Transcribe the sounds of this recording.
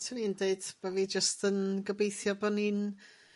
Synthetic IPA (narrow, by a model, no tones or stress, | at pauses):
tʰənindeɨd̥baviːd͡ʒəstənɡəbejθjɔbɔnin